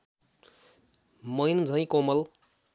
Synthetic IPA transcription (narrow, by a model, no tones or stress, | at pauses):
mʌjnd͡zʱʌj̃komʌl